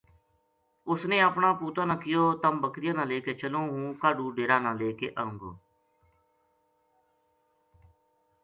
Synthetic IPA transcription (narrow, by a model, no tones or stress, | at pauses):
ʊsnẽːaːpɳãːpuːt̪aːnãːkɪjoːt̪əmbəkɾɪjãːnãːleːkeːt͡ʃəlõːɦũːkaːɖuːɖeːɾãːnãːleːkḛːʔəːʊ̃ŋɡo̰ː